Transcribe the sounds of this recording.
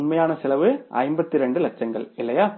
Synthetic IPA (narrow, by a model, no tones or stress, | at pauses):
nmɐjaːnɐsɪlɐʋɯʔɐ̰ɪmbɐt̪ːiɪɾɛɳɖɯlɐt͡ʃːɐŋɡɐ̰ɭɪlːɐjaː